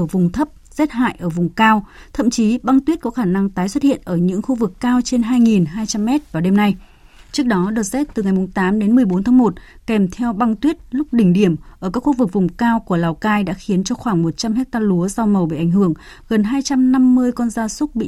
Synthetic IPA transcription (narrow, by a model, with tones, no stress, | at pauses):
ə˧˩vʊ˨˩ŋ͡mt̪ʰə˦˥p̚z̥ɛ˦˥t̚ha̰ː˧˨jʔəː˧˩vʊ˨˩ŋ͡mkaː˧wt̪ʰə̰˧˨mt͡ɕi˨˦ɓa˧ŋt̪wi˦˥ət̚kɔ˨˦xaː˧˩na˧ŋt̪aː˨˦jswə˦˥t̚hḭ˧˨ənʔəː˧˩ɲɨ̰˧˥ŋxu˧vɨ˨˩kːaː˧wt͡ɕe˧nɦaː˧jŋi˨˩nɦaː˧jt͡ɕa˧mːɛ˦˥t̚vaː˨˩wɗe˧mna˧j | t͡ɕɨ˦˥ək̚ɗɔ˨˦ɗɨ˨˩ək̚zɛ˦˥t̚t̪ɨ˨˩ŋa˨˩jmʊ˨˩ŋ͡mt̪aː˨˦mɗe˨˦nmɨ˨˩əjɓo˨˦nt̪ʰaː˨˦ŋmo˨˩t̚kɛ˨˩mt̪ʰɛ˧wɓa˧ŋt̪wi˦˥ət̚lʊ˦˥k͡p̚ɗï˧˩ŋ̟ɗi˧˩əmʔəː˧˩kaː˦˥k̚xu˧vɨ˨˩k̚vʊ˨˩ŋ͡mkaː˧wku˧˩əlaː˨˩wkaː˧jɗa̰ː˧˥xi˨˦ənt͡ɕɔ˧xwaː˧˩ŋmo˨˩t̚t͡ɕa˧mhɛ˦˥k̚t̪aː˧lu˨˦əza˧wmə˨˩wɓḭ˧˨ʔa˧˩jŋ̟hɨ˧˩əŋ | ɣə˨˩nɦaː˧jt͡ɕa˧mna˧mːɨ˧əjkɔ˧nzaː˧sʊ˦˥k͡p̚ɓḭ˧˨